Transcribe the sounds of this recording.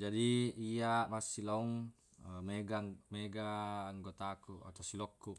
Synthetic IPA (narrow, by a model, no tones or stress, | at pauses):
d͡ʒadiiamasilauŋ | meɡameɡaːŋɡot̪akua̰t̪asilɔkːu